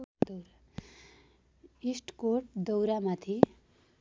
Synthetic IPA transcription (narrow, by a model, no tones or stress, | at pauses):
d̪wɾa | isʈkoʈ̚d̪ʌwɾamat̪ʰi